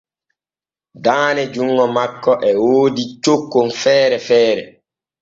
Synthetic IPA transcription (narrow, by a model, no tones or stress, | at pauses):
daːnɛd͡ʒuŋːɔmakːɔʔɛwoːdit͡ʃokːonfɛːɾɛfɛːɾɛ̰